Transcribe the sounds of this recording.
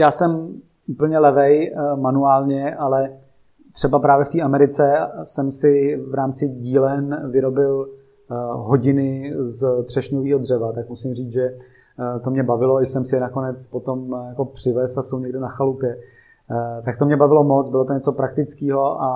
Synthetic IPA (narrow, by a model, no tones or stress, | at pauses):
jaːsɛm | uːpl̩ɲɛlɛvɛjmanuaːlɲɛʔalɛ | t̪r̥ɛbapɾaːvjɛft̪iːʔamɛɾɪt͡sɛsɛmsɪvɾaːmt͡sɪɟiːlɛnvɪɾo̞bɪl | ɦo̞ɟɪnɪzd̪r̝̥ɛʃɲoviːɦo̞dr̝ɛvat̪akmusɪmriːt͡sʒɛ | t̪omɲɛbavɪlo̞ɪsɛmsɪjɛnakonɛt͡spo̞t̪o̞mjakopr̝̥ɪvɛsasowɲɛɡdɛnaxalupjɛ | t̪ak̚t̪omɲɛbavɪlo̞mot͡sbɪlot̪oɲɛt͡sopɾak̚t̪ɪt͡skiːɦo̞ʔa